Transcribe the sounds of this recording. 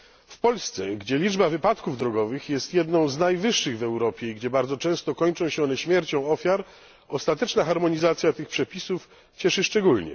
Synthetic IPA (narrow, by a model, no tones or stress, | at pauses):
fpɔlst̪sɛɡd͡ʑɛlʲid͡ʐbavɘpat̪kuvd̪ɾɔɡɔvɘxjɛst̪jɛd̪nɔ̃w̃znajvɘʂːɘɣvɛwɾɔpʲjɛiɡd͡ʑɛbaɾd̪zɔt͡ʂɛ̃w̃st̪ɔkɔɲt͡ʂɔ̃w̃ɕɛɔnɛɕmʲjɛɾt͡ɕɔ̃w̃ɔfʲjaɾ | ɔst̪at̪ɛt͡ʂnaxaɾmɔɲizat̪sʲjat̪ɘxpʂɛpʲisuf | t͡ɕɛʂɘʂt͡ʂɛɡulɲɛ̰